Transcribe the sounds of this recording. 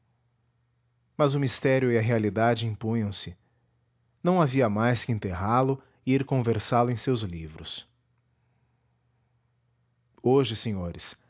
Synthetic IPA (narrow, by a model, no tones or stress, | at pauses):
mɐzʊmist̪ɛɾjʊɪɐɦealid̪ad͡ʒɪĩpũɲɐ̃w̃sɪ | nɐ̃w̃aviɐmajskɪẽnt̪eɦalʊ | ɪiɾkõveɾsalʊẽj̃sewzlivɾʊs | oʒɪsẽɲoɾɪs